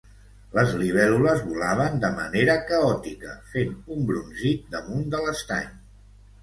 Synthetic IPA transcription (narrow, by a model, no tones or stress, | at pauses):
ləzliβ̞ɛluləzβulaβ̞ənd̪əmə̰neɾəkəɔt̪ikə̰fenumbɾunʒit̪̚d̪əmund̪ələst̪a̰ɲ